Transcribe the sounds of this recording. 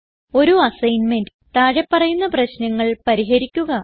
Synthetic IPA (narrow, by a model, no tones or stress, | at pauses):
o̞ɾuɐsɐjnmendɨt̪ɐːɻepːɐrɐjunːɐprɐɕnɐŋːɐɭpɐɾiɦɐɾikʲːuɣɐ